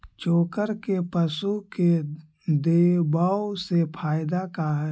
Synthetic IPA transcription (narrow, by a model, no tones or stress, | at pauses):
t͡ʃoːkəɾkepəsuke | d̪eːbaːwsepʰaːjd̪akaɦ